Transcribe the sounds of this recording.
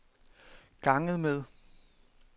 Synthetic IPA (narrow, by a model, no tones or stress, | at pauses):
ɡ̥ɑ̈ŋəð̞̩ˠmeð̞ˠ